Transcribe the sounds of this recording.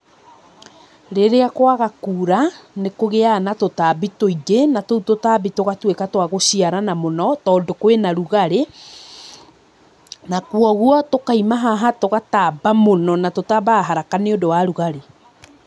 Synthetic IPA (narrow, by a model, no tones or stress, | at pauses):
ɾeɾeakwaɣakuːɾanekoɣeanatotabitoiɣenatoutotaːbitoɣatwekatwaɣoɕiaɾanamonɔtɔːdokwenaɾuɣaɾe | nakwɔɣuɔtokaimaɦaɦatoɣatabamonɔnatotabaːɦaɾakaneodowaɾuɣaɾe